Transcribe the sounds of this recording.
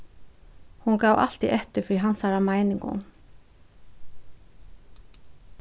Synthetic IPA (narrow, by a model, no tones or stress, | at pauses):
hunɡɑːʋa̰lt̪iʔɛht̪ɪɾfɾiːɦansaɾamaɪnɪŋkʊ̰n